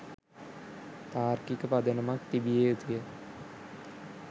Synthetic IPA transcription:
t̪aːrkikəpad̪ənəmak̚t̪ibijeut̪ijə

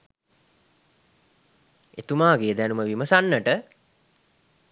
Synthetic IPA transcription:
et̪umaːɡeːd̪ænuməʋiməsanːəʈə

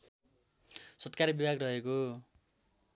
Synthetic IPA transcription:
sʌt̪kaɾjbibʱaɡrʌɦeko

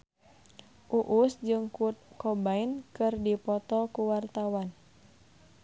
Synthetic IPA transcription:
ʔuʔusd͡ʒɨŋkɔbainkɨrdipɔt̪ɔkuwart̪awan

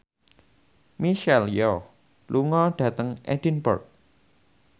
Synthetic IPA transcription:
miʃɛljɔ | lʔuŋɔɖ̥ä̤t̪əŋʔɛd̥inbə̰rk̚

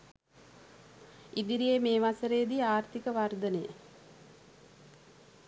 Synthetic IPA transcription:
id̪iɾijemeːʋasəɾejːd̪iaːrt̪ikəʋard̪ənəjə̰

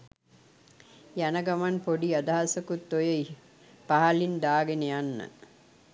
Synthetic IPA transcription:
jænɐɡamanpoɖiad̪aɦasəkut̪ːojə | paɦalind̪aːɡenejanːə̰

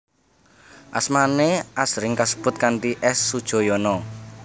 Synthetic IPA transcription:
ʔasmaneʔasɾɪŋkasə̥b̥ʊ̤t̪̚kant̪iʔɛsːud̥ʒ̥o̤jɔnɔ

